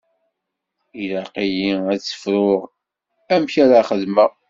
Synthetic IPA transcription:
ilæqijiæt͡sːə̥fɾʊʁ | æmçaɾaχəðmə

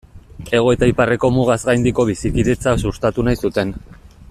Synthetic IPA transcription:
e̞ɣ̞o̞et̪aipare̞ko̞muɣ̞azɣajnd̪iko̞βisikiðe̞t͡sasust̪at̪unajsut̪e̞n

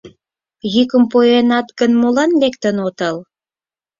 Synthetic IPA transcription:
jykəmpojenɑt̪ɡənmolɑnlekt̪ənot̪əl

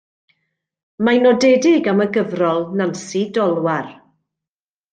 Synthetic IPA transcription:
majnɔdɛdɪɡaməɡəvrɔlˠnansidɔlˠwar

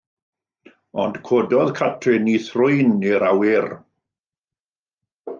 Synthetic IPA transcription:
ɔndkʰoːdɔðkʰatʰrɪniθrʊɨniɾawɪr

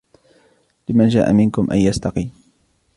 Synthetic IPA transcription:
lɪmand͡ʒa̰ːʔa̰mɪnkʊmʔa̰njast̪ɑqiːm

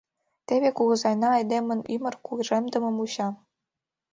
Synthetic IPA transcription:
t̪eβekuɣɤ̆zɑjnɑːjd̪emə̆nymə̆rkuɣʒemd̪ə̆mɤ̆muɕɑ

